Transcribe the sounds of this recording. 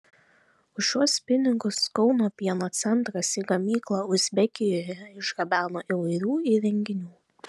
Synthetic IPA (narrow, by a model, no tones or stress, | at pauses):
ʊʃʲːuɔspʲɪnʲɪɡʊskɒʊnoːpʲiɛnoːt̪sʲɛnt̪ɾɐsiːɡɐmʲiːklˠɐʊzʲbʲɛkʲɪjoːjɛjɛɪʃɡɐbʲæːnoːʔiʋɐɪɾʲuːiɾʲɛŋʲɡʲɪnʲuː